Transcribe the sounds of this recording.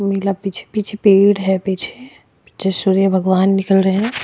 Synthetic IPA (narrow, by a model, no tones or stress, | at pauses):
mɪlapit͡ʃʰe̥pit͡ʃʰepiːɽɦɛpit͡ʃʰe | d͡ʒesuːɾijəbʱɐɡʋaːnːɪkəlɾəɦɛ̃